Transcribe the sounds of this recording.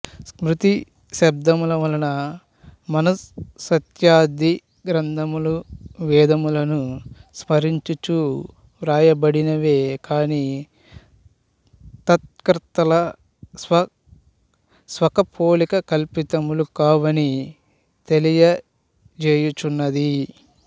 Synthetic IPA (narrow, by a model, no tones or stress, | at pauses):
smɾut̪i | ʃɐb̚d̪ɐmulɐʋɐlɐnɐ | mɐnɐsːɐt̪jaːd̪i | ɡɾɐnd̪ʱɐmuluʋɛːd̪ɐmulɐnusmɐɾiɲt͡ʃut͡ʃuː | ɾaːjɐbɐɽinɐʋeːkaːni | t̪ɐt̪̚kɾt̪ːɐlɐ | sʋɐ | sʋɐkɐpʰoːlikɐkɐlpit̪ɐmulukaːʋɐni | t̪elijɐ | d͡ʒeːjut͡ʃunːɐd̪i